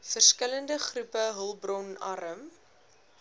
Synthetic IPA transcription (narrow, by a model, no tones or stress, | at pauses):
fərskələndəχrupəɦəlˠbrɔnɐ̰ɾəm